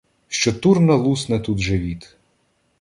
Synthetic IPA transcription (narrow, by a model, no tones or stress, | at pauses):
ʃt͡ʃɔt̪urnɐlˠusnɐt̪ud̪ʒɛʋʲit̪